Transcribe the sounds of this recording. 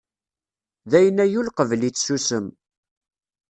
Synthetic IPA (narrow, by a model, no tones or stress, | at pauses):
ðæjənæjulqəvlit͡sːsusəm